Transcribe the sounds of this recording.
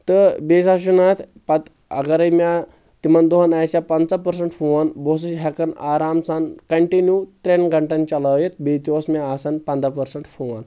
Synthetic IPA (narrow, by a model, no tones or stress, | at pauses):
t̪əbesaɕunat̪ʰpat̪ | a̰ɡaɾɐjmʲa | t̪imand̪oɦanajsjapant͡sapəɾs̬əɳʈfuʋanbos̬uɕɦakənaɾamsankɐɳʈinjut̪ɾenɡʱɐɳʈant͡ɕalajet̪̚bet̪iʋosmaːsanpand̪apəɾsəɳʈfuʋan